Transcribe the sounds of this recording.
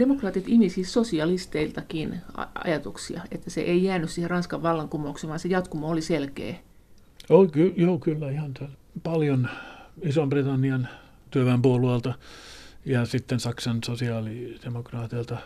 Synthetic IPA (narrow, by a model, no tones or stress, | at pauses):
d̥emokrɑːt̪it̪imisissosiɑlist̪eilt̪ɑkinɑ̰ɑ̰jɑt̪uksḭɑ̰ḛt̪ːæsḛʔeijæːnyssiːherɑnskɑʋʋɑlːɑŋkumˑouksiʋɑːnsejɑt̪kumooliselkḛː | okyjoːkylːæihɑnt̪æl | pɑljonisombrit̪ɑnːiɑn | t̪yøʋæmpuoluɑlt̪ɑ | jɑsit̪ːensɑksɑnsosiɑːlid̥emokrɑːt̪ilt̪ɑ